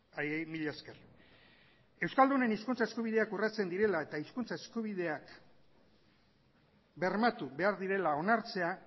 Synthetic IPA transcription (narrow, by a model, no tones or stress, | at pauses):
ajejmiʎasker | e̞wskald̪une̞niskunt͡saeskuβ̞iðe̞akurat͡se̞nd̪iɾe̞lae̞t̪aiskunt͡sae̞skuβið̞e̞ak | be̞rmat̪uβe̞aɾðiɾe̞lao̞naɾt͡se̞a